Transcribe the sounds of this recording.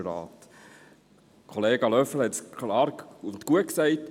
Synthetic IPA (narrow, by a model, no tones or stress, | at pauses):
ɾɑ̰ːt̪ | kʰɔleːɡɑlœfəl̩hɛt̪skʰlɑːɾʊnt̪kuəksæɪt